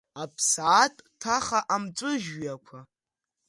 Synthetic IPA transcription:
apʰsaːtʼtʰaχaʔamt͡sʷʼʊʒɥjakʷʰa

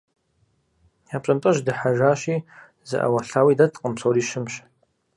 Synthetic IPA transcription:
japʷʼɐmtʼɨʒdɨħaʒaːʃi | zɨ̰ʔa̰waɬaːwidatʼqʼəmsʰoɾiʃɨmʃ

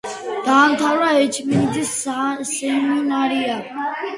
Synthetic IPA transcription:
d̪̥aːmt̪ʰawɾaɛt͡ʃʰmind̪issɛmunaɾia

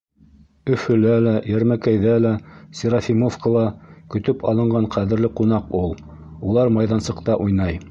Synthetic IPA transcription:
ɵ̆fɵ̆lælæjæɾmækæjðælæsʲiɾafʲimofkŏlˠɑkɵ̆t̪ɵpʰɑlˠɤ̆ɴɢɑɴqæðɘ̆ɾlɘqun̪ɑqulˠ | ulˠɑɾmɑjðɑnsɤ̆qt̪ɑʔujnɑj

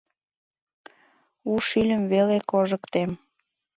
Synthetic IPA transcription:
uʃilʲəmβelekoʒə̆kt̪em

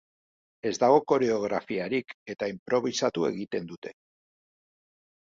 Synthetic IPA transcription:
e̞zd̪aɣ̞o̞ko̞ɾe̞o̞ɣ̞ɾafiaɾike̞t̪aimpɾo̞β̞isat̪ue̞̰ɣ̞it̪e̞nd̪ut̪e̞̥

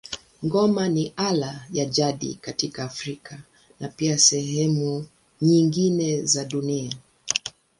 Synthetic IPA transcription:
ŋɡɔmaniʔalajaʄaɗḭkatikaːfɾika | napiasɛɦɛmu | ɲiŋɡinɛzaɗunia

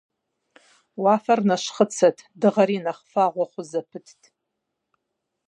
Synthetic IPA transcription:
waːfɐrnɐʃχət͡sʰɐtʰdɨʁɐɾinɐχfaʁʷɔχʷʊzɐpʰɨtʰtʰʼ

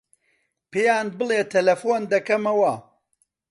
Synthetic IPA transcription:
pejaːn̚bɨlˠeːt̪ʰɐlɐfoːnd̪ɐkɐmɐwɐ

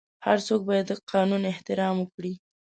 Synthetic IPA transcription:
haɾt͡sok̚bɑjad̪ːəqʰɑnunɪht̪ɪɾɑməkɽi

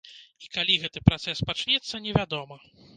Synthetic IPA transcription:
ikalʲiɣɛt̪ɨpɾat̪sɛspat͡ʂnʲɛt̪sːɐnʲɛvʲad̪ɔmɐ

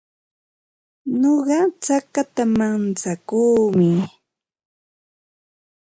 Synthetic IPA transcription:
ɲoɢɑt͡sakat̪amant͡sakuːmɪ

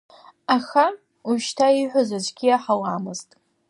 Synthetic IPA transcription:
axa | uʃtʰaiħʷʊzazʷʼɡʲiaħawamɨztʼ

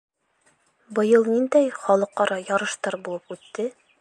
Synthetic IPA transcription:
bɤ̆jɤlˠnind̪æjχɒlˠɤqːɑɾɑjɒɾɤ̆ʃt̪ɑɾbulˠɤpʉt̪ːɘ

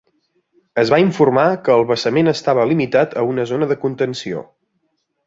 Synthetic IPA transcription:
əzβaiɱfurmakəːlˠβəsəmenəst̪aβəlimit̪at̪ʰəunəzonəðəkunt̪ənsio̰

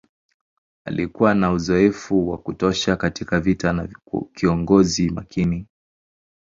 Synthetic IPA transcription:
a̰likuwanauzɔɛfuwakutɔʃakatikavitanakiɔŋɡɔzimakʰini

